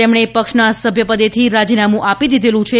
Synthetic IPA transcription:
emɽ̃epəkʃnasəbʱjəpəd̪et̪ʰiɾad͡ʒinamũʔapid̪id̪ʱelũt͡ʃʰe

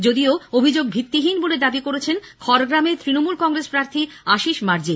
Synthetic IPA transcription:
d͡ʑod̪ioobʱid͡ʑoɡ̚bʱit̪ːiɦinboled̪abikoɾet͡ɕʰenkʰɔɾɡɾamet̪ɾinomulkɔŋɾespɾaɾt̪ʰi | aʃiʃmaɾd͡ʑi

